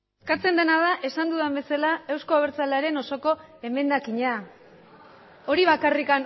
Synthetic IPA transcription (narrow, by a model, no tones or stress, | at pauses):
skat͡se̞nd̪e̞nað̞aʔe̞sand̪uðambe̞salae̞wsko̞aβeɾt͡salaɾe̞no̞so̞ko̞ | e̞me̞nd̪akiɲa | o̞ɾiβ̞akarikan